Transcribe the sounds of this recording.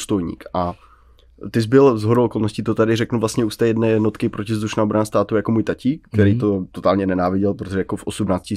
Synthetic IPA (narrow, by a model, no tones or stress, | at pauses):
st̪ojɲḭːkʔa | t̪ɪzbɪlzɦoɾolkolnoscit̪ot̪adɪrɛknuvlast̪ɲɛuːst̪ɛːjɛdnɛːjɛdnot̪kɪpɾocɪzd̪uʃnaːobɾanast̪aːt̪ujakomuːjt̪aciːkt̪ɛɾijt̪ot̪ot̪aːlɲɛnɛnaːvɪɟɛlpɾot̪oʒɛjakofʔosumnaːt͡scɪ